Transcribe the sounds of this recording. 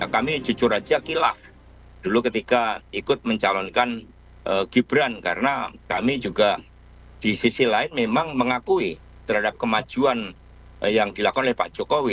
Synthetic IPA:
jakamid͡ʒut͡ʃʊrad͡ʒakila̰h | d̥ulukət̪ikaikʊt̪̚məɲt͡ʃalɔnkan | ʔəɡ̥ibɾanka̰ɾənakamid͡ʒuɡa | d̥isisilaɪnmemaŋməŋakui | t̪ərɦhadap̚kəmḁd͡ʒ̥uan | jaŋdilakɔnolɪhpa̰̥d͡ʒ̥okowi

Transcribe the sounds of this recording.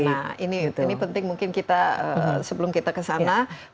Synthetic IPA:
aininipənt̪ɪŋmuŋkɪnkit̪aə̰səbəlʊmkit̪akəsana

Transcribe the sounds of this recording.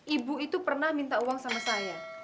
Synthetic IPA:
ʔibuit̪upərnahmint̪auwaŋsamasaja

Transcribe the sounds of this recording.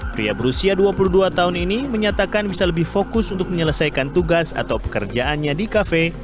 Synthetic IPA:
pɾḭa̰bəɾusiaduapuluhduat̪aɦʊniniməɲat̪akanbisaləbɪhfokʊsunt̪ʊk̚məɲələsajkant̪uɡasa̰t̪awpə̥kərd͡ʒaʔanɲadikafe

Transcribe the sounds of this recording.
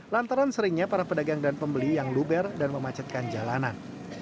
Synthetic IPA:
lant̪aɾansəɾɪŋɲapaɾapədaɡaŋdanpəmbəlijaŋlubɛrdanməmat͡ʃat̪̚kand͡ʒalanan

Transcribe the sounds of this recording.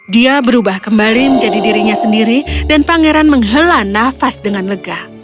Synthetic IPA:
diabəɾubahkəmbaliməɲd͡ʒadidiɾiɲasəndiɾidanpaŋeɾanməŋɦəlanafasdəŋanləɡah

